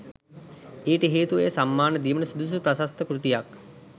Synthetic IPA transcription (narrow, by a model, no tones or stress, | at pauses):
eːʈəɦeːt̪uʋejsamːaːnəd̪iːʋənəsud̪us̬upɾasast̪əkɾut̪ijak